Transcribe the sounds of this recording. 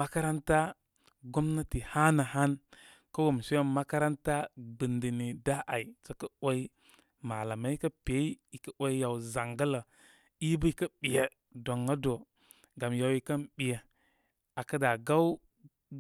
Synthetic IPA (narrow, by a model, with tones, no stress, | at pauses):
ma˦ka˦ɾa˦nta˦ | ɡo˦mna˦ti˨ha˦na˨ɦa˦n | ka˦wo˨m˨se˦ma˦ka˦ɾa˦nta˦ɡ͡bi˨ndi˨ni˨da˦ʔa˨i˨t͡so˨kə˦o˦i˦ | ma˨la˨ma˦i˦kə˦pe˨˦i˦i˨kə˦o˦i˦ja˨wza˨ŋɡə˦lə˨ | i˦bə˦i˨kə˦ɓi˨je˨ | do˨ŋa˦do˨ | ɡa˨mja˨wi˨kə˦nɓi˨je˨ | a˨kə˦da˨ɡa˦wu˦